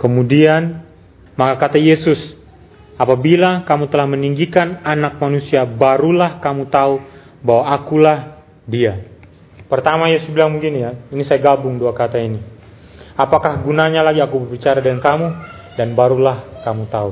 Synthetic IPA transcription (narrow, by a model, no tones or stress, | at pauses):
kəmudian | makakat̪ajesʊs | apabilakamut̪əlahməniŋɡikananak̚manusiabaɾulahkamut̪au | bawaːkulah | dia | pərt̪amajesʊsbilaŋmuɡinjainisajaɡabʊŋduakat̪aini | apakahɡunaɲalaɡiakubərbit͡ʃaɾadəŋankamu | danbaɾulahkamut̪au